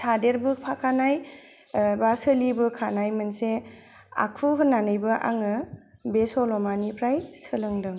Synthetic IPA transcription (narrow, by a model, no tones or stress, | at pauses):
tʰadeɾbɯpʰakʰanaj | basɯlibɯkʰanajmɯnse | a̰kʰuɦɯnːanɯjbɯʔa̰ŋɯbesɔlɔmanipʰɾajsɯlɯŋdɯŋ